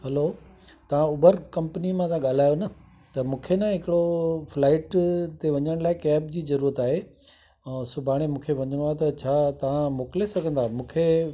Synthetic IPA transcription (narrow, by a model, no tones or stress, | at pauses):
hɐloː | t̪ɐʋ̤ãʊbəɾkɐ̃mpnimãt̪ɐãɠaːl̤aːjonɐ | t̪ɐmũːkʰenaɦɪkɪɽoflaːɪʈt̪eʋɐɲəɽ̃laːɪkɛːb̚d͡ʑiːzɐɾuːɾət̪aːɦe | sʊbʱaːɽ̃emũːkʰeʋɐɲəɽ̃at̪ɐt͡ɕʰaːt̪ɐʋ̤ãmoːklesɐɡʱə̃nd̪aːmũːkʰe